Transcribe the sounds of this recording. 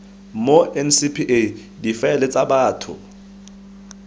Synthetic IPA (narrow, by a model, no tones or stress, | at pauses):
moɛnsipʰiʔe | difɛlɛt͡sʼabaːtʰʊ̰